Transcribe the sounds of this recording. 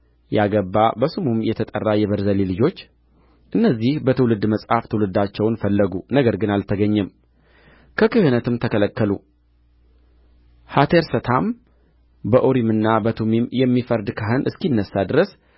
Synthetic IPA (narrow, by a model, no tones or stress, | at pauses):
jaɡəbːabəsumumjɛt̪ʰət̪ʼə̰rːajɛβəɾzəlilɨd͡ʒo̞t͡ʃː | ʔɨnːəzːihbət̪ʰɨwlɨd̪məsʼhaft̪ʰɨwlɨd̪at͡ʃːɛwnfəlːəɡunəɡəɾɡɨnalt̪ʰəɡəɲːɛm | kʰəkɨhɨnət̪ɨmt̪ʰəkʰələkːəlu | hat̪ʰeɾsət̪ʰam | bəʔoɾimɨnːabət̪ʰumimjɛmːifəɾd̪kʰaɦɨnʔɨskinːəsːad̪ɨɾəs